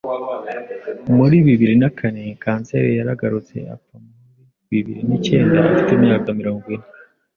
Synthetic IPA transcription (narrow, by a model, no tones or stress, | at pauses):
muɾiβiβiɾinakʰane̞kaːnse̞̰ɾejaɾaɡaɾut͡se̞̰a̰pamuuɾi | βiβḭɾinice̞ːndaːfi̥temɲaːkamiɾo̞ːŋɡwine